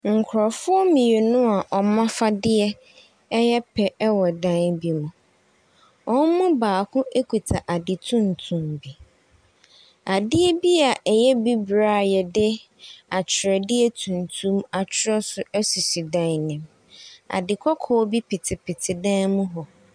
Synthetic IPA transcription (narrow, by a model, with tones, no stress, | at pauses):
ŋ̩˨kʰʊ˨ɾɔ˨fʊ˦ɔ˦mĩ˨je˨nʊ̃˦a˨ʔɔ˨mã˦fa˦dɪ˦ɛ˦ | ɛ˦jɛ˦pʰɛ˨ɛ˦wɔ˨dã˦nbi˨mũ˨ | ɔ̃˦n˦mʊ̃˦baː˨kʰʊ̃˦ʔe˦kʰu˨tʰa˨ʔa˨dɪ˨tʰũ˦n˨tʰũ˨mbi˨ | a˨dɪ˦ɛ˦bi˦a˨ʔɛ˨jɛ˦bi˦bɾaː˦˨jɛ˨dɪ˦ | a˨t͡ɕʰɪ˨ɾɛ˨dɪ˦ɛ˦tʰũ˨n˨tʰũ˦ma˨t͡ɕʰɪ˦ɾɛ˦sʊ˨ɛ˦su˨si˨dã˨nɪ̃˨m | a̰˨dɪ˨kʰɔ˦kʰɔː˦bi˦pʰɪ˨tʰɪ˨pʰɪ˨tʰɪ˨dã˦mũ˦ɦɔ˨